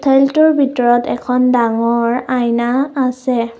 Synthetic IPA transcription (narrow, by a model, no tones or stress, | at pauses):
tʰɛltʊɹbʱitɔɹɔtɛkʰɔndaŋɔɹajnaːsɛ